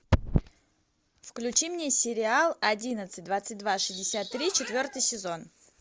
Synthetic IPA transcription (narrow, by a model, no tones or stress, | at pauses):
fklʲʉt͡ɕimnʲesʲɪɾʲɪalˠɐdʲinət̪sɨt̚ʲd̪vat̪sɨt̚ʲd̪vaʂɨzʲdʲɪsʲat̪ːɾʲit͡ɕɪt̪vʲo̞rt̪ɨjsʲɪzo̞n